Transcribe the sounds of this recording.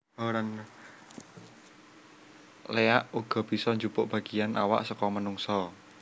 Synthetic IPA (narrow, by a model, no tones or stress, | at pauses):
ɾan | leaʔuɡ̥ɔ̤b̥i̤sɔɲd͡ʒupʊʔb̥a̤ɡ̥ijanʔa̰wa̰ʔsɔkɔmənuŋsɔ